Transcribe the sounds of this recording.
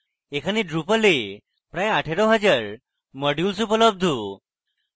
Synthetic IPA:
ekʰəniɖɾupəle | pɾajaʈʰeɾoɦəd͡ʑaɾ | məɖjulsupələb̚d̪ʱu

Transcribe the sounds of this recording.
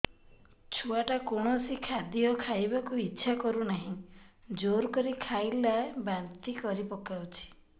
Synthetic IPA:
t͡ʃʰuaʈakoɽ̃ɔsikʰad̪jɔkʰajbakuitːʃʰakɔɾunaɦĩd͡ʒoɾkɔɾikʰajlabant̪ikɔɾipɔkawt͡ʃʰi̥

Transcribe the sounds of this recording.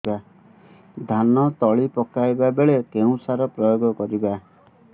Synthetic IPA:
ba | d̪ʱanɔt̪ɔɭipɔkajbabeɭekeũsaɾɔpɾɔjoɡɔkɔɾiba

